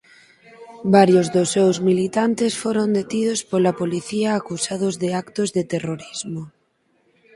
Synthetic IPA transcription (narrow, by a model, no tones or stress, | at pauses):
baɾjozðʊsːewzmilit̪ant̪esfoɾond̪et̪ið̞ospolapoliθiaːkusaðʊzðɪakt̪ozðet̪eroɾizmo